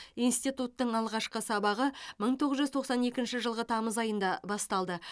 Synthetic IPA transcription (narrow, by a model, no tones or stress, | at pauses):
ijnst̪ijt̪ut̪ːəɴɑlˠʁɑʃqəsɑbɑʁəməɴt̪ʰo̞ʁəzʒʏzt̪ʰo̞qsɑne̞kʲɪnʃɪʒəlˠʁət̪ʰɑməzɑjənd̪ɑbɑst̪ɑlˠd̪ə